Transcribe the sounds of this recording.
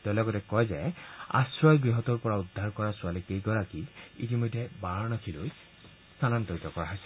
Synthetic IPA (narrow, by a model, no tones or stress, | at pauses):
tɔlɔɡɔtɛkɔjzɛa̰sɹɔjɡɹiɦɔtɔɹpɔɹaudʱːaɹkɔɹasʊalikejɡɔɹakiḭtimɔjdʱɛbaɹnɔkʰiloj | stʰanantɔɹitɔkɔɹaɦɔjsɛ